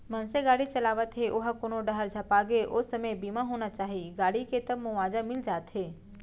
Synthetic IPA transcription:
mənseɡaːɽit͡ʃɐlaːʋət̪ɦeʔʊɦakoːnoɖəɦəɾd͡ʒʱɐpaːɡeʔosəməjbimaɦoːnat͡ʃaːɦiɡaːɽiket̪əmʊʋaːd͡ʒamɪld͡ʒaːt̪ɦeː

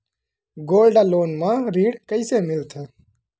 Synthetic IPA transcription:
ɡoːlɖaːloːnmãːɾiːɽkəɪseːmɪlt̪ʰeː

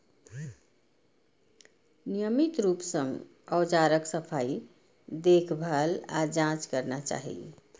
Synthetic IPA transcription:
nijəmit̪ɾupsə̃ŋɡ | əwd͡ʒaɾəksəpʰai | d̪ekʰbʱəlad͡ʒãt͡ʃkəɾnat͡ʃa̰ɦḭ

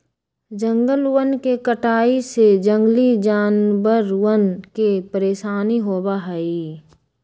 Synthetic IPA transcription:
d͡ʒə̃ŋɡəlwənkekəʈaːised͡ʒə̃ŋɡlid͡ʒaːnbəɾwənkepəɾeːʃaːniɦoːbaɦəi

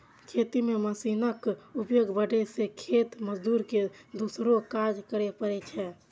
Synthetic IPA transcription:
kʰet̪imeməsinəkupjoɡbəɖɛsekʰet̪məd͡ʒd̪uɾked̪usɾokad͡ʒkəɾɛpəɾɛt͡ʃʰɛ

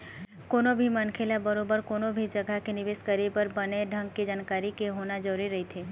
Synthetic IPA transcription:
koːnobʱimənkʰelabəɾoːbəɾkoːnobʱid͡ʒəɡʱakenɪʋeːskəɾepəɾbəneɖʱə̃ŋɡked͡ʒaːnkaːɾikeɦonad͡ʒəɾuɾiɾɐɦit̪ʰe

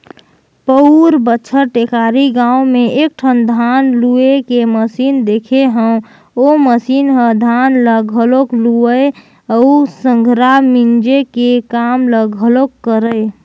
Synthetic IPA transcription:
pəuɾbətːʃʰəʈekaːɾiɡãũmẽek̚ʈʰənd̪ʱanluekeməsiːnd̪ekʰeɦə̃ | oməsinɦə̃d̪ʱanləɡʱəlokluəe | əusə̃ŋɡʱɾamind͡ʒekekamləɡʱəlokːəɾəe

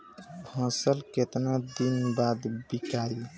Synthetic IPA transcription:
hə̃səlket̪nad̪inbad̪bikaɾi

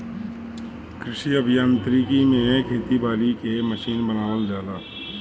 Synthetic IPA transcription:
kɾɪʃiəbʱijaːnt̪ɾiːkimẽkʰeːt̪ibaːɾikeməʃiːnbənaːʋəld͡ʒaːlaː

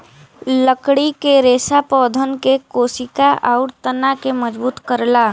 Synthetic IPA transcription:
ləkɽikeɾeːsapɔːd̪ʱənkekoːsɪkaʔaʊɾt̪ənakeməd͡ʒbuːt̪kəɾlaː

